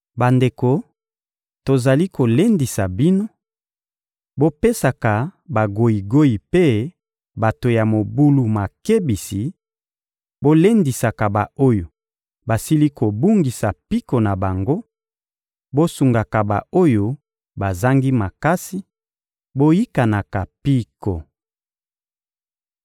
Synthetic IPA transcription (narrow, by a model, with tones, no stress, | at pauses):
ba˨nde˨ko˨ | to˨za˨li˦ko˨le˦ndi˨sa˨bi˦no˦ | bo˦pe˦sa˨ka˨ba˨ɡo˨i˨ɡo˦i˨pe˦ | ba˨to˨ja˨mo˨bu˦lu˨ma˨ke˦bi˨si˨ | bo˦le˦ndi˨sa˨ka˨ba˨o˦jo˨ | ba˨si˦li˦ko˨bu˦ŋɡi˨sa˨pi˦ko˨na˨ba˨ŋɡo˦ | bo˦su˨ŋɡa˨ka˨ba̰˨o˦jo˨ | ba˨za˦ŋɡi˦ma˨ka˦si˦ | bo˦ji˦ka˨na˨ka˨pi˦ko˨